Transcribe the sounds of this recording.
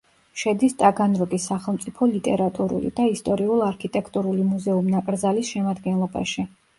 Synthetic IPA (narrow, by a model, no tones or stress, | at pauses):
ʃɛd̪ist̪ʼaɡanɾɔɡisaχɛlˠmt̪sʼipʰɔlit̪ʼɛɾat̪ʼuɾṵlḭd̪̥aist̪ʼɔɾiulˠaɾkʰit̪ʼɛkʰt̪ʼuɾulimuzɛumnakʼɾd̪zalisʃɛmad̪ɡɛnlˠɔba̰ʃi